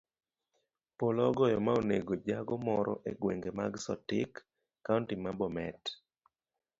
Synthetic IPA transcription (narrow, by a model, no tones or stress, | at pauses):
polɔɡɔjɔmaoneɡod͡ʒaɡɔmɔɾɔ̰ʔeɡweŋɡema̰ɡsɔtɪkː | auntimabɔmɛt